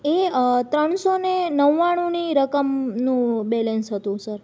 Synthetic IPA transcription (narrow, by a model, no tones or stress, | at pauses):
et̪ɾəɳ̃sonenəʋːaɽ̃ũniɾəkəmnũbɛlensɦət̪ũsəɾ